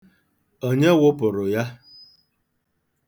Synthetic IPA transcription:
o˦ɲe˦wʊ˦pʊ˨ɾʊ˨ja˦

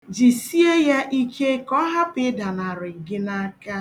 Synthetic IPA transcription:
d͡ʒi˨si˦e˦ja˦ʔi˦ke˦kɔ˦ɦa˦pɪ˨˦da˨na˨ɾʊ˨ɡɪ˦na˦ka˦

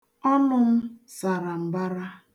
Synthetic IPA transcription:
ɔ˦nʊ˦m̩˦sa˨ɾa˨m̩˨ba˦ɾa˦

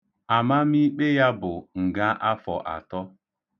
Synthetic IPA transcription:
a˨ma˦mi˦k͡pe˦ja˦bʊ˨ŋ̩˨ɡa˦ʔa˦fɔ˨ʔa̰˨tɔ˦

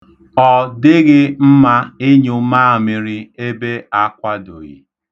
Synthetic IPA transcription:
ɔ˨dɪ˦ɣɪ˦m̩˦ma˦e˦ɲu˨˦ma˦a˨mɪ˨ɾɪ˦e˦be˦a˦kʷa˦do̰˨jḭ˨

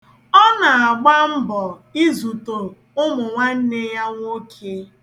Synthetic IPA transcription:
ɔ˦na˨a˨ɡ͡ba˦m̩˦bɔ˨i˦zu˨to˨ | ʊ˦mʊ˨ŋʷa˦n̩˦ne˦ja˦ŋʷ˦o˦kʰe˦

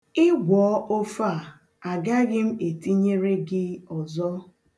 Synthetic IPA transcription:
ɪ˦ɡʷɔː˨˦o˦fa˦˨ | a˨ɡa˦ɡɪ˦m̩˦e˨ti˦ɲe˦ɾe˦ɡɪ˦ɔ˨zɔ˦

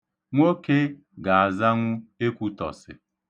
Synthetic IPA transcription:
ŋʷo˦ke˦ | ɡa˨a˨za˦ŋʷʊ˦e˦kʷu˦tɔ̰˨sɪ̰˨

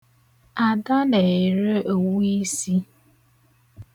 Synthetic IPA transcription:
a˨da˦ne˨e˨ɾe˦o˨wi˦si˦

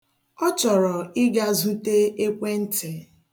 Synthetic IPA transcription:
ɔ˦t͡ʃɔ˨ɾɔ˨ɪ˦ɡa˦zu˦te˦e˦kʷe˦n̩˦tʰe˨

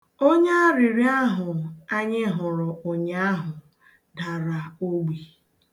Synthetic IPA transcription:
o˦ɲa˦ɾi˨ɾi˦a˦ɦʊ˨a˦ɲɪ˦ɦʊ˨ɾʊ˨ʔʊ˨ɲa˦ɦʊ˨ | da˨ɾa˨o˦ɡ͡bi˨

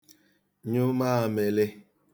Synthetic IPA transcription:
ɲu˦ma˦a˨me˨le˦

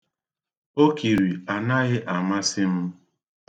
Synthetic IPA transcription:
o˦ki˨ɾi˨a˨na˦ɣɪ˦ʔa˨ma˦sɪ˦m̩˦

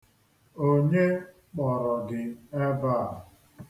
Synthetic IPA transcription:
o˦ɲe˦ | k͡pɔ˨ɾɔ˨ɡɪ˨e˦ba˦˨

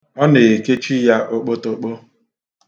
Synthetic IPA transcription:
ɔ˦ne˨e˨ke˦t͡ʃi˦ja˦ʔo˦k͡po˦to˦k͡po˦

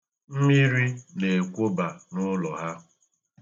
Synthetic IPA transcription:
m̩˦mi˦ɾi˦ne˨kʷo˦ba˨nʊ˦lɔ˨ɦa˦

